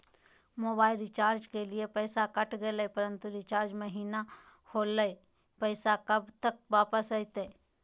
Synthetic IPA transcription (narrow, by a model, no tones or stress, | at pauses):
moːbaːɪlɾɪt͡ʃaːɾd͡ʒkeliepɛːsakɐʈʰɡeleepɐɾə̃nt̪uɾɪt͡ʃaːɾd͡ʒmɐɦiːna | hoːləe | pɛɪsakɐbt̪ək̚ʋaːpəsəit̪e